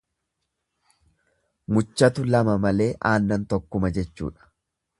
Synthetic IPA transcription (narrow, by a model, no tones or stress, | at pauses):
mʊt͡ʃːɐt̪ʊlɐmɐmɐle̞ːʔaːnːɐnt̪ɔkːʊmɐd͡ʒɛt͡ʃːṵːᶑɐ̥